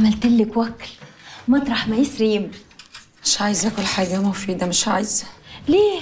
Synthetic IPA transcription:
mælt̪ɪlːɪkwækːlmɑt̪ɾˤɑħmæjisɾiːmmɪʃʕaːjezʔækʊlːħaːɡæmofiːd̪æmɪʃʕaːjzleː

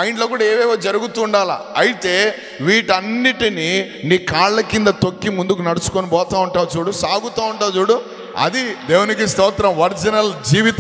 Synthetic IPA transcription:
aːjiɳʈlo̞ːk̬uːɽaːeːʋɛːʋoːd͡ʒɐɾuɡut̪uːɳɖaːla̰ːɐjit̪e̞ː | ʋiːʈɐnːiʈini | niːkaːɭlɐkːind̪ɐt̪o̞kːimund̪ukunɐɽut͡ʃu̥koːnibɔːt̪aːuɳʈaːwt͡ʃuːɽusaːɡut̪aːuɳʈaːwt͡ʃuːɽu | ɐ̰d̪id̪eːwunik̬ist̪ɐːt̪ɾɐmʋɐɾd͡ʒinɐld͡ʒiːʋit̪

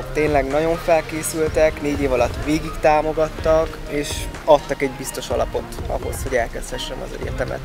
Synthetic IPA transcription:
t̪eːnlɛɡnɒɟo̞ɱfɛlkeːsylt̪ɛkneːɟeːvɒlɒt̪ːʋeːɡikt̪aːmo̞ɡɒt̪ːɒk | eːʃɒt̪ːɒkɛɟbist̪o̞ʃɒlɒpo̞t̪ɒ̰ɦo̞̰sho̞ɟɛlkɛst̪hɛʃːɛmɒ̰zɛ̰ɟɛ̰rt̪ɛmɛ̰t̪

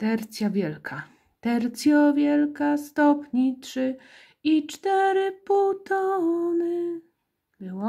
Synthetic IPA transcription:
t̪ɛɾt̪sʲjavʲjɛlkʰa | d̪̥ɛɾt̪sʲjɔvʲjɛlkast̪ɔpɲitʂɘ | it͡ʂt̪ɛɾɘput̪ɔnɘ | bɘwɔ

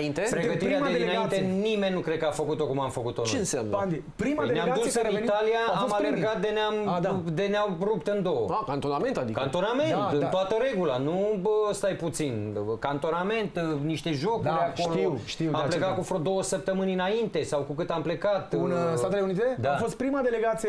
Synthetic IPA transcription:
int̪epɾeɡət̪iɾeaaeinaint̪enime̞nʲnukɾekəafəkut̪o̞kumamfəkut̪onoeɨnsamnad̪i | pɾimaeneamɡad̪ussɨɾit̪aliaaosmalerɡat̪̚d̪eneamd̪eneaɾup̚t̪ɨnd̪o̞wəakant̪onament̪ad̪ikant̪o̞name̞nnt̪ɨnoat̪əɾe̞ɡulanust̪ajput̪sinkant̪o̞name̞nt̪niʃt̪e̞ʒokd̪eakoloʃt̪iamplekat̪̚kufod̪o̞wəsəp̚t̪əmɨnʲɨnaint̪e̞sawkukɨt̪ample̞kat̪unsat̪eleunit̪ed̪afost̪̚pɾimad̪eleɡat̪sie

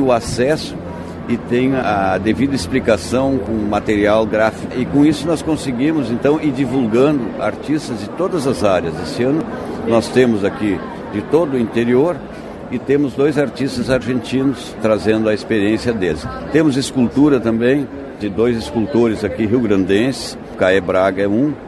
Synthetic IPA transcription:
ʊasɛsʊ̥ | ɪt̪ẽj̃ad̪evid̪ɐɪsplikasɐ̃w̃kõwmat̪eɾiawɡɾafi̥kɐɪkõisʊnɔskõsɪɡĩmʊzẽnt̪ɐ̃w̃ɪd͡ʒivulɡɐ̃nd̪ʊa̰ɾt͡ʃ̪ist̪ɐzd͡ʒɪt̪od̪ɐzɐzaɾjɐzd̪esɪɐ̃nʊnɔst̪ẽmʊzaki | d͡ʒɪt̪od̪ʊĩnt̪eɾioɾ | ɪt̪ẽmʊzd̪ojzaɾt͡ʃist̪ɐzaɾʒẽnt͡ʃ̪ĩnʊst̪ɾazẽnd̪ʊɐespeɾiẽsjɐd̪esɪ̥ | t̪ẽmʊzɪskult̪uɾɐt̪ɐ̃mbẽj̃ | d͡ʒɪd̪ojzɪskult̪oɾɪzakiɦiwɡɾɐ̃nd̪ẽsɪ̥ | kaɛbɾaɡɐɛũ

